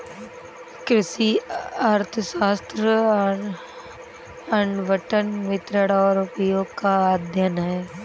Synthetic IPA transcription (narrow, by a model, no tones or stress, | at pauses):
kɾɪsiaːɾt̪ʰəʃaːst̪ɾə | ɐɳɖʋəʈənmɪt̪ɾəɽaɔːɾʊpəjoːɡ̚kaad̪ʱjənɦɛː